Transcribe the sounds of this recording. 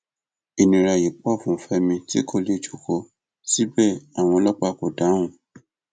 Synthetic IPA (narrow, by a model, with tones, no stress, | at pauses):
i˨nĩ˨ɾa˨ji˨k͡pɔ˦˨fũ˨˦fɛ˦mĩ˧ti˦kʰo˧˨le˦˨d͡ʒu̥˨ko˧ | si˦bɛ˦˨a˨w̃ɔ̃˧lɔ˦k͡pa˧ko˨da˨˦wũ˦˨